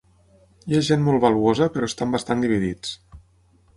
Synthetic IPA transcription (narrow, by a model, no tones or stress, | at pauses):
jaʒenmolˠβaluozəpəɾɔest̪ambast̪and̪iβiðit͡s